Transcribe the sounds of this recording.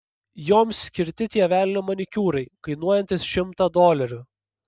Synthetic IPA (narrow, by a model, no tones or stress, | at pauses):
joːmsːʲkʲɪɾʲt̪ʲɪt̪ʲiɛʋʲæːlʲɪnʲomɐnʲɪkʲuːɾɐɪkɐɪnuɔjɛnʲt̪ʲɪsʃʲɪmt̪ɑd̪oːlʲɛɾʲʊ